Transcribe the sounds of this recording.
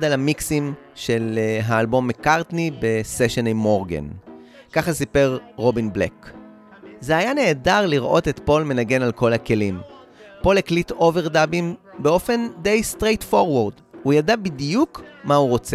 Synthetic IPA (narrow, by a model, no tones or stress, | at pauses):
dalamiksimʃe̞lɦaːlbo̞mːekaʁtnibe̞seʃenemoʁɡḛn | kaχasipe̞ʁʁo̞binblḛk | zeajane̞ːdaʁliʁʔo̞tetpo̞lme̞naɡe̞nalko̞lake̞lim | po̞leklito̞ve̞ʁdabimbe̞o̞fe̞nde̞jstʁe̞jtfo̞ʁwaʁd | hujadabidjukmahuʁo̞t͡se